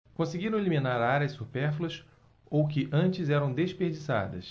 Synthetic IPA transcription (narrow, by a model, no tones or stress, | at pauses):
kõseɡiɾɐ̃w̃elimĩnaɾaɾɐsupɛɾfulɐs | owkɪʔɐ̃t͡ʃɪzɛɾɐ̃w̃d̪eʃpeɾd͡ʒisa̰d̪ɐ̰s